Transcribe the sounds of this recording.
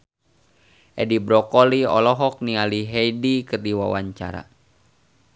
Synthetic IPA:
ʔɛdibɾɔkɔliɔ̰lɔɦɔk̚nialiɦɛjdikɨrdiwa̰wa̰ɲt͡ʃa̰ɾa̰

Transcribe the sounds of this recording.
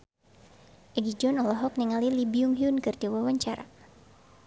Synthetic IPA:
ʔɛɡid͡ʒɔnɔlɔɦɔk̚niŋalilibiʊŋɦiʊnkɨrdiwawaɲt͡ʃaɾa̰

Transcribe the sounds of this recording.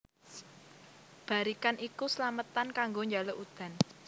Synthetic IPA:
b̥a̤ɾikanʔikusəlamət̪ankaŋɡoɲd͡ʒaloʔud̪̥a̤n

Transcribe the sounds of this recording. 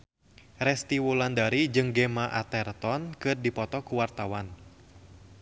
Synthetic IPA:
rɛst̪iwulandaɾid͡ʒɨŋɡɛmaʔa̰t̪ɛrt̪ɔnkɨrdipɔt̪ɔkuwart̪awan

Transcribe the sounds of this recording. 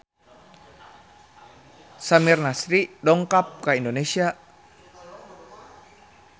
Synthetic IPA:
samirnasɾidɔŋkap̚kaindonesia

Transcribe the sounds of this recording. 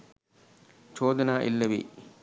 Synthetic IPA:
t͡ʃoːd̪ɐnaːʔilːɐʋḭ

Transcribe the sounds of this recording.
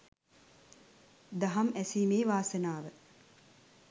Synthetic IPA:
d̪ɐɦɐmæsiːmeːʋaːsenaːʋə

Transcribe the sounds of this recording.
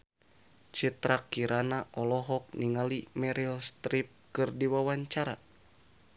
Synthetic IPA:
t͡ʃit̪ɾakːiɾanaʔɔlɔɦɔk̚niŋalimɛɾilst̪ɾip̚kɨrdiwawaɲt͡ʃaɾa

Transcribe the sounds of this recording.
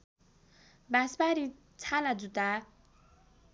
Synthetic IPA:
basbaɾi | t͡sʰalad͡zut̪a

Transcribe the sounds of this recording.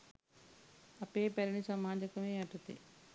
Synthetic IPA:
ɐpeːpɛɾɐnisɐmaːd͡ʒɐkɐmeːɐʈːɐt̪ḛ

